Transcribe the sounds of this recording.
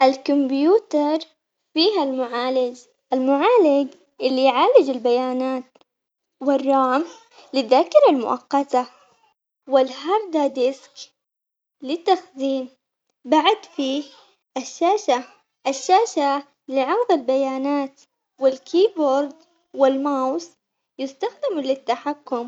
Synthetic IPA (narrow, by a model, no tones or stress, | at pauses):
ʔalkʊmbjuːt̪ɑɾˤ | fiːɦalmʊʕaːlɪd͡ʒ | ʔalmʊʕaːlɪɡ | ʔɪlːijʕaːlɪd͡ʒalbajaːnaːt̪ | wɪrˤːɑːm | lɪðːaːkɪɾalmʊ̰ʔɑ̰qːɑt̪a | wɪlɦɑɾˤd̪ad̪ɪsk | lɪt̪ːaxziːn | baʕad̪fiː | ʔaʃːaːʃa | ʔaʃːaːʃa | lɪʕɑɣðˤɪlbajaːnaːt̪ | wɪlkʰiːboːɾd̪ | wɪlmawsˤ | jɪst̪axd̪ɪmlɪt̪ːaħakːʊm